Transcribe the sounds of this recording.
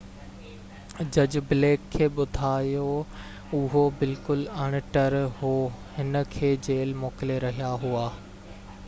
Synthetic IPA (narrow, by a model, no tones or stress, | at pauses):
d͡ʑɐd͡ʑbleːkʰːeːɓʊd̪ʱaːjo | ʊɦobɪlkʊlɐɽ̃̆ʈɐɾɦoːhɪnə̆kʰeːd͡ʑeːlmoːkɪleɾɐɦijaɦuaː